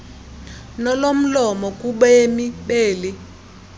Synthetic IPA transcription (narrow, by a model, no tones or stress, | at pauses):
nɔlom̩lɔmɔkʼuɓɔemiɓeːli